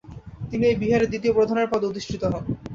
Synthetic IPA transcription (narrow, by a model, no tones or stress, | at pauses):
t̪iniejbiɦaɾed̪it̪̬iopɾod̪ʱaneɾpɔd̪ot̪iʃʈʰit̪oɦɔn